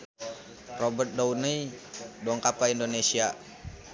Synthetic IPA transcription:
rɔbət̪̚dounəidɔŋkapaindonesia

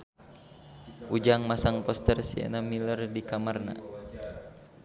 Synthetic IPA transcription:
pud͡ʒaŋmasaŋpɔst̪ərsia̰namilərdikamarna̰

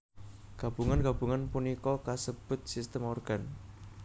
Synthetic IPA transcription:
ɡ̥a̤b̥uŋanɡ̥ab̥ṳŋanpunikɔkasəb̥ʊ̤t̪̚sist̪əmɔrɡ̥an

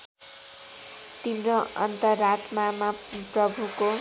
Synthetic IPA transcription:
t̪inroʌ̰nt̪ʌrːat̪mamaprʌbʱuko

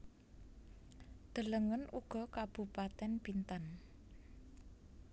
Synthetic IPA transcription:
d̪̥ə̤ləŋənuɡ̥ɔ̤kab̥ṳpat̪ɛnb̥int̪an

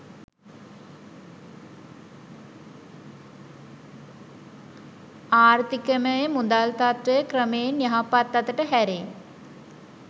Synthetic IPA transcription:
aːrt̪ikəməjəmud̪alt̪at̪ɾəjəkrəmeenjaɦapat̪ːat̪əʈəɦæɾe

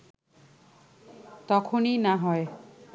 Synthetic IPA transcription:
t̪ɔkʰoninaɦɔe

